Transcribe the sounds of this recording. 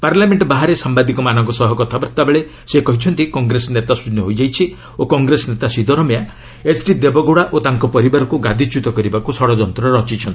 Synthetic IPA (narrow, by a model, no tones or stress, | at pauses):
paɾlameɳʈbaɦaɾesambad̪ikɔmanɔŋkɔsɔɦɔkɔt̪ʰabɔɾt̪abeɭe | sekɔɦit͡ʃʰɔnt̪ikɔŋɡɾesɔnet̪asunɔɦojd͡ʒajt͡ʃʰi | okɔŋɡɾesɔnet̪asid̪ɔɾɔmea | esʈid̪ebɔɡoɽaʔot̪aŋkɔpɔɾibaɾɔkuɡad̪ʱit͡ʃut̪ɔkɔɾibakusɔɽɔd͡ʒɔnt̪ɾɔeɾɔt͡ʃit͡ʃʰɔnt̪i